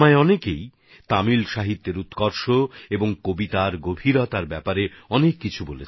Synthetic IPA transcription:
aeɔnekej | t̪amilʃaɦit̪ːeɾut̪kɔɾʃoeboŋkobit̪aɾɡobʱiɾɔt̪aɾbɛpaɾeɔnekːit͡ɕʰubolet͡ɕʰ

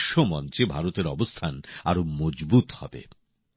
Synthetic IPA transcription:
ʃomɔnt͡ɕebʱaɾot̪eɾɔbost̪ʰana̰ɾomod͡ʑbut̪hɔ̰bḛ

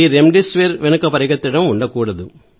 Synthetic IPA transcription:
iɾemɖisʋeɾʋɛnɐkːɐpɐɾɪɡɐt̪ːɪɽɐmuɳɖɐkuːɽɐðu

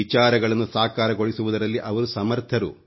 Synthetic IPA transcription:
it͡ʃaːɾɐɡɐɭɐnːusaːkaːɾɐɡo̞ɭisuʋud̪ɐɾɐlːiʔɐʋɐɾusɐmɐɾt̪ʰɐɾu

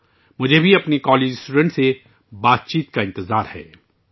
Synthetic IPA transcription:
mʊd͡ʒʱebʱiɐpnekɔːleːd͡ʒsʈuːɖə̃ɳʈse | baːt̪̚t͡ʃiːt̪kaɪ̃nt̪ɪzaːɾhɛ̰ː

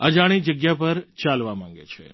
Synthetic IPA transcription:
əd͡ʒaɽ̃id͡ʒəɡjapəɾt͡ʃalʋamãŋɡḛt͡ʃʰḛ

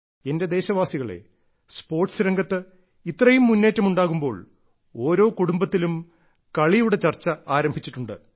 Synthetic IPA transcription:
e̞nde̞d̪e̞ːɕɐʋaːsiɣɐɭḛ | spo̞ːrʈsɨɾɐŋɡɐt̪ːɨ | it̪ːrɐjumːunːe̞ːtːɐmuɳɖaːɣumbo̞ːɭ | oːɾo̞ːkuɽumbɐt̪ːilum | kɐɭijuɽe̞t͡ɕɐrt͡ɕːɐaːɾɐmbʱit͡ɕːiʈːuɳɖɨ̰

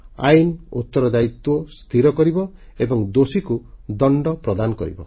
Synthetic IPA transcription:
a̰jnut̪ːɔɾɔd͡ʒait̪wɔst̪ʰiɾɔkɔɾibɔ | ebɔŋd̪osikud̪ɔɳɖɔpɾɔd̪anɔkɔ̰ɾḭbɔ̰

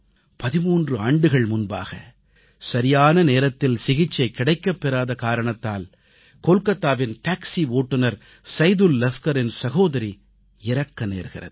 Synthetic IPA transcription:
pɐðɪmuːndrɯaːɳɖɯɣɐɭmʊnba̰ːɣɐ | sɐɾɪjaːnɐneːɾɐt̪ːɪlsɪɣɪt͡ʃːɐɪkːɪɽɐɪkːɐpːɛɾaːðɐkaːɾɐɳɐt̪ːaːl | koːlkɐt̪ːaːʋɪnʈaːksiʋoːʈːɯnɐɾ | sɐɪðɯlːɐskɐɾɪnsɐɣoːðɐɾi | ɪɾɐkːɐnḛːɾɣɪrɐ̰ðɯ

